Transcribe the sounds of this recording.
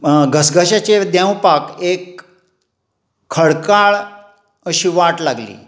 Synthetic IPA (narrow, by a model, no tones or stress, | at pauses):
ɡʱəsɡʱəɕat͡ɕed̪jãwpakek | əɭkaɭ | əɕiːʋaʈlaɡlḭː